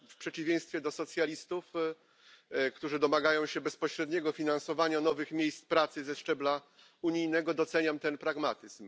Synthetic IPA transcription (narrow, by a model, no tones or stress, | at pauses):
fpʂɛt͡ɕivʲjẽj̃st̪fʲjɛd̪ɔsɔt̪sʲjalʲist̪uf | kt̪uʐɨd̪ɔmaɡajɔ̃w̃ɕɛbɛspɔɕɾɛd̪ɲɛɡɔfʲinansɔvaɲanɔvɘxmʲjejst̪pɾat̪sɘzɛʂt͡ʂɛbla | uɲijnɛɡɔd̪ɔt̪sɛɲamt̪ɛnpɾaɡmat̪ɘzm